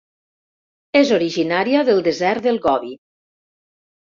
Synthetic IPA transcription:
ezoɾiʒinaɾiəðəlˠd̪ezɛɾt̪̚ðəlˠɣɔβi

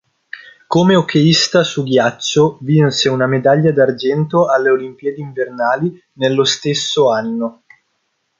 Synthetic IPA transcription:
komeokeist̪asuɡjat͡ʃːovinseunamed̪aʎːad̪ard͡ʒɛnt̪oalːeolimpjɛd̪eiɱvernaːli | nelːost̪esːoanːo

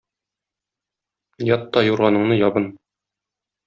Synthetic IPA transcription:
jɒt̪ːɒjuɾʁɑnɤ̆ɴnɤjɒbɤn

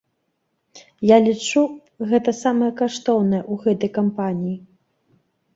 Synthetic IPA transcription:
jalʲit͡ʂu | ɣɛt̪ɐsamɐjɐkaʂt̪ɔwnɐjɛʔuɣɛt̪ɐjkampanʲiji

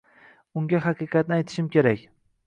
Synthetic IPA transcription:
ʊŋɡʲaɦɑqɨqɑt̪̚nɪajt̪ʰɪ̥ʃɪmkʲʰe̞ɾakʲ

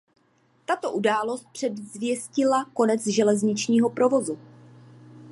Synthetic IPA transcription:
t̪at̪o̞ʔudaːlo̞st̪̚pr̝̥ɛdzvjɛscɪlako̞nɛt͡sʒɛlɛzɲɪt͡ʃɲiːɦo̞pɾo̞vo̞zu

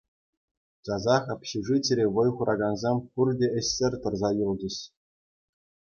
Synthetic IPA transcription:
t͡ɕɑzɑχɑpʲɕiʐit͡ɕʲɘ̆ɾʲeʋɤ̆jχuɾʔɑɡɑnzɑmpurʲdʲeɘ̆ɕʲːɘ̆rʲt̪ɤ̆rzɑjulˠd͡ʑɘ̆ɕ

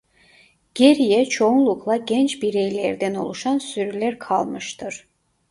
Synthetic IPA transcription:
ɟ̥eɾijɛt͡ʃʰo̞unlˠuklˠaɟɛnt͡ʃbiɾejlʲɛɾd̪æno̞̰lˠuʃansyɾylʲæɾkʰalˠmɯʃt̪ʰɯɾ̥

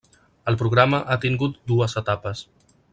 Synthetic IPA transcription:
əlˠpɾuɣ̞ɾaməʔat̪iŋɡut̪̚d̪uəzət̪apəs

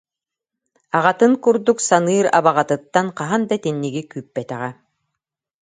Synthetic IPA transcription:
aʁat̪ɯŋkuɾd̪uksanɯːɾa̰baʁat̪ɯt̪ːanqaɦand̪at̪inːiɡikyːpːɛt̪ɛʁɛ

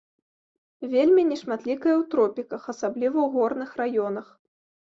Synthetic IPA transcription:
vʲelʲmʲinʲɛʂmat̪lʲikɐjɐwt̪ɾɔpʲikɐxɐsablʲivɐwɣɔrnɨxrajɔnɐx

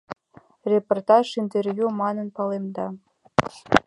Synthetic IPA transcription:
rʲeport̪ɑʂint̪ervʲjumɑnə̆npɑlemd̪ɑ

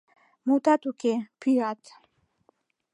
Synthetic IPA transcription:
mut̪at̪ukepʰiat̪

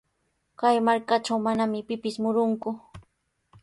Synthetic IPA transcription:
kajmaɾkat͡ʃawmanamɪpɪpɪsmʊɾʊŋkʊ

